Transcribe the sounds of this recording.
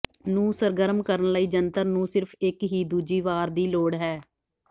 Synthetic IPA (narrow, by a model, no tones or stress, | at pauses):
nũːsəɾɡəɾəmkəɾənləiːd͡ʒənt̪əɾnũːsɪɾpʰɪkɦiːd̪uːd͡ʒiːʋaːɾd̪iːloːɽɦɛː